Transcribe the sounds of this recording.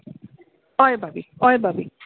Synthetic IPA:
ɔjbabiɔjbabi

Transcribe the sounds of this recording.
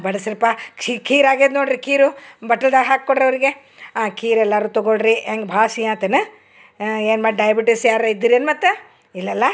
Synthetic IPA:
bɐɽɐsiɾɐpaikiːɾaːɡeːd̪noːɽɾikiːɾubɐʈɐld̪aɦaːkkoɽɾɐʋɐɾiɡe | aːkiːɾɛlːaːɾuːt̪ɔɡoɭɾiaŋɡbʱaːʃijaːt̪ɐnɐ | eːnmaːɖɖɐjɐbiʈisjaːɾɐid̪ːiɾieɐnmɐt̪ːu | ilːɐlːɐ

